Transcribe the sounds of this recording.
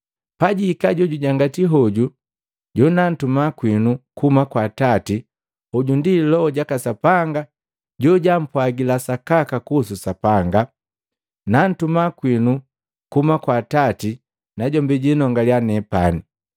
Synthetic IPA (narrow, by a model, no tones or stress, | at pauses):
paɟikaɟɔɟuɟaŋɡatiɦɔɟu | ɟɔnan̩tumakwinukumakwatati | uɟundilɔɔɟakasapaŋɡa | ɟɔɟam̩pwaɡilasakakakususapaŋɡa | nan̩tumakwinu | kumakwatati | naɟɔmbɛɟinɔŋɡaljanɛpani